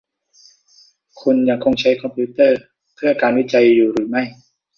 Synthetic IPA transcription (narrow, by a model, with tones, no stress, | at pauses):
kʰu˧nja˧˩ŋkʰo˧ŋt͡ɕʰa˦˥jkʰɔ˧mpʰuː˦˥t̪ɤː˥˩ | pʰɯ˥˩kaː˧nwi˦˥t͡ɕa˧jːuː˨˩ɾɯː˩˦ma˥˩j